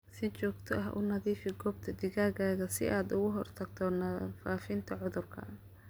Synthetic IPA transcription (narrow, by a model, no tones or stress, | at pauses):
sɪt͡ʃɔːɡt̪ʰɔɐɦʔʊ̰nɐðiːfɪɡɔːb̚t̪ʰɐd̪ɪɣaːɣaːɣɐsɪ̰ʔaːd̪ʊɣʊɦɔrt̪ʰɐɡt̪ʰɔnɐfaːfɪnt̪ʰɐʕʊðʊrkʰɐ̰